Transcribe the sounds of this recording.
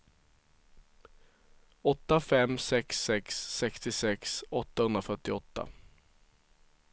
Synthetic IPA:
ɔt̪ːafɛmːsɛksɛksːɛkst̪ɪsɛksɔt̪ːahɵnd̪ɾafœʈːɪɔt̪ːa̰

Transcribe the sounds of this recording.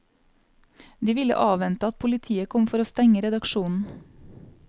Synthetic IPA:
d̪iːʋɪlə̰ʔɑːʋɛnt̪əɑt̪̚pʰʊlɪt̪ʰiːəkʰɔmfɔɾoːst̪ɛŋəɾɛd̪ɑkʃuːnn̩

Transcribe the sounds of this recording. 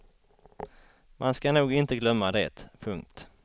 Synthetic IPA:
mʔanskanuːɡɪnt̪əɡlœmːad̪eːt̪pʰɵŋk̚t̪

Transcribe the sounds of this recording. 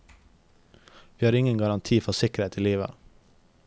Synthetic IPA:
ʋiːhɑːɾɪŋənɡɑɾɑnt̪ʰiːfɔsɪkəɾheːt̪ʰiːliːʋə̰

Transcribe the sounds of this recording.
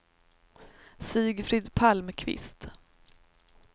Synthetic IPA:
siːɡfɾɪːd̪pʰalmkʰvɪ̰st̪

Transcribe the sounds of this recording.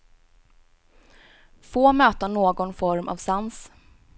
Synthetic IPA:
foːmøːt̪anoːɡɔnfɔɾmʔa̰vsans

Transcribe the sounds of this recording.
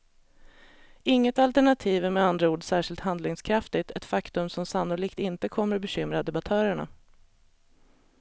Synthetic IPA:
ɪŋːət̪alt̪æɳat̪ʰiːvæmɛand̪ɾauːɖsæːʂɪlt̪hɦand̪lɪŋskʰɾaft̪ɪt̪ʰɛt̪fakt̪ɵmsɔmsanːʊliːkt̪ɪnt̪əkʰɔmːəɾbɛɕʏmɾad̪ɛbat̪ʰœːɾəɳa̰

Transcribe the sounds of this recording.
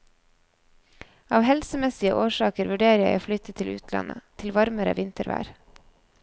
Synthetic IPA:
ɑːʋhɛlsəmɛsɪəʔoːʃɑːkəɾʋʉɖeːɾjæɪæflʏt̪ət̪ʰɪlʉ̰ːt̪ʰlɑ̰nʔət̪ʰɪlʋɑɾməɾə̰ʋɪnt̪əɾʋæ̰ːɾ

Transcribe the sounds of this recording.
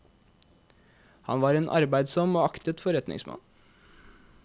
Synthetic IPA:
hɑ̰nʋɑːɾeːnʔɑ̰ɾbæɪd̪sɔmoːɑkt̪ət̪fɔɾɛt̪nɪ̰ŋsmɑ̰n

